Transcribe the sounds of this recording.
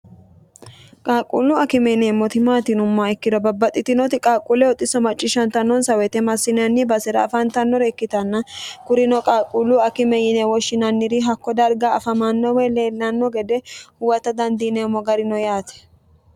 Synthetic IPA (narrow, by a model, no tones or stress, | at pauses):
kʼaːkʼːulːʊɐkɪmɛneːmːɔt̪ɪmaːt̪ɪnʊmːaːɛkːɪd̪ɔbɐbːɐt̪ʼːɪt̪ɪnɔt̪ɪkʼaːkʼulɛɔt̪ʼːɪsɔmɐt͡ʃʼːɪʃɐnt̪ɐnːɔnsɐwɛt̪ɛmɐsːɪnɐnːɪbɐsɪɾɐːfɐnt̪ɐnːɔɾɛkːɪt̪ɐnːɐkʊɾɪnɔkʼaːkʼulːʊɐkɪmɛjɪnɛwɔʃːɪnɐnːɪɾɪɦɐkːɔd̪ɐɾɡaɐfɐmanːɔwɛleːlːɐnːɔɡɛd̪ɛhʊwɐt̪ɐd̪ɐnd̪ineːmːɔɡɐɾɪnɔjaːt̪ɛ̥